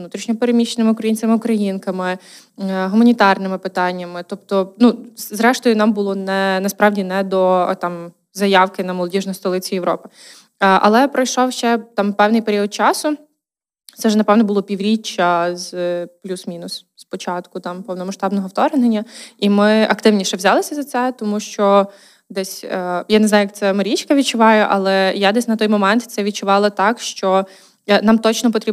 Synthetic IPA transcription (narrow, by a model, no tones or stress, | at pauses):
nut̪ɾʲiʃnʲɔpeɾemʲiʃːenɪmɪʊkɾɐjinʲt͡sʲemɪʊkɾɐjinkɐmɪ | ɦʊmɐnʲit̪ɑrnɪmɪpɪt̪ɑnʲːɐmɪt̪ɔp̚t̪ɔnuzɾɛʃt̪ɔjʊnɑmbʊlˠɔnɛnɐspɾɑwdʲinɛd̪ɔt̪ɑm | zɐjɑwkɪnɐmɔlˠɔdʲiʒnɔjst̪ɔlˠɪt͡sʲijeʋɾɔ̰pɪ̥ | ʔɐ̰lˠɛpɾɔjʃɔwʃt͡ʃɛt̪ɑmpɛwnɪjpeɾʲiɔd̪̚t͡ʃɑsʊ | t̪sɛʒɛnɐpɛwnɔbʊlˠɔpʲiwɾʲit͡ʃːɐzplʲusmʲinʊs | spɔt͡ʃɑt̪kʊt̪ɑmpɔwnɔmɐʃt̪ɑbnɔɦɔwt̪ɔɾenenʲːɐimɪɐkt̪ɪwnʲiʃɛʋzʲɑlˠɪsʲɐzɐt̪sɛt̪ɔmuʃt͡ʃɔ | d̪ɛsʲjaneznɑjʊjɛk̪̚sɛmɐɾʲit͡ʃkɐʋʲit͡ʃʊʋɑjʊʔɐlˠɛjad̪ɛsʲnɐt̪ɔjmɔmɛnt̪t̪sɛʋʲid̚t͡ʃʊʋɑlˠɐt̪ɑkʃt͡ʃɔ | nɑmt̪ɔt͡ʃnɔpɔt̪ɾʲi